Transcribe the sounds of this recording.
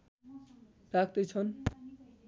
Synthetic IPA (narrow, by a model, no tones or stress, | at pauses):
rak̚d̪ʌjt͡sʰʌn